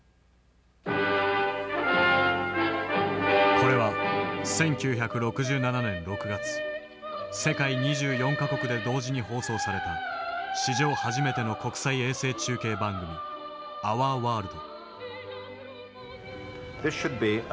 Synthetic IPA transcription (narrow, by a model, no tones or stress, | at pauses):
ko̞ɾe̞βasẽ̞ŋkʲɨːçakɯ̟ɾo̞kɯ̟ʑɨːnananẽ̞nɾo̞kɯ̟ɡat͡sɨ̥ | se̞kaiɲ̟iʑɨːjõ̞ŋkako̞kɯ̟d̪e̞d̪o̞ːʑiɲ̟iho̞ːso̞ːsaɾe̞t̪aɕiʑo̞ːhaʑime̞t̪e̞no̞ko̞kɯ̟̥saie̞ːse̞ːt͡ɕɨːke̞ːbãŋɡɯ̟mʲi | aβaːβaːɾɯ̟d̪o | ðɪsʃɨd̚bi